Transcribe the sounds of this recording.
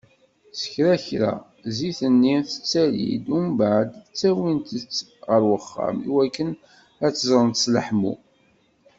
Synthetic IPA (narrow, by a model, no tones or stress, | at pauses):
sə̥çɾæçɾæ̰ | ziθənːiθə̥t͡sːælḭd̪umbaʕd̪t͡sːæwint̪ət͡sː | ʁəɾwəχːa̰mḭwækːən | æt͡sːəzˤɾənt̪ə̥sləħmṵ